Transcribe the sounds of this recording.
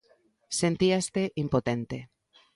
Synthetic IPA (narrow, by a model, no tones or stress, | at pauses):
sent̪iast̪eʔimpot̪ent̪e